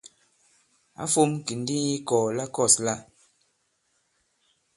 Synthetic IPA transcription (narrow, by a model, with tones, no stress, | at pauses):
a̰˦fo˦mki˨n̩˦di˦ji˦kɔː˨la˦kɔ˦˨sla˦